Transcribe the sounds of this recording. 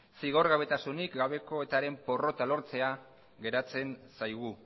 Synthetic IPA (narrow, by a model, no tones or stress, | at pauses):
siɣ̞o̞ɾɣaβe̞t̪asunikɡaβe̞ko̞e̞t̪aɾe̞mpo̞ro̞t̪alo̞ɾt͡se̞a | ɣe̞ɾat͡se̞nsajɣ̞u